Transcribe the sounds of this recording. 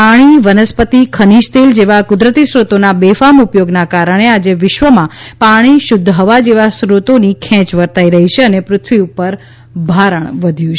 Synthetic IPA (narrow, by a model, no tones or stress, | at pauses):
aɽ̃iʋənəspət̪ikʰəniʃt̪eld͡ʒeʋakʊd̪ɾət̪isɾut̪onabefamupjoɡnakaɾəɽ̃ead͡ʒeʋɪʃʋəmãpaɽ̃iʃʊd̪ʱːɦəʋad͡ʒeʋasɾut̪onikʰɛ̃t͡ʃʋəɾt̪aiɾəɦit͡ʃʰeənepɾʊt̪ʰʋiupəɾ | bʱaɾəɳ̃ʋəd̪ʱjũt͡ʃʰ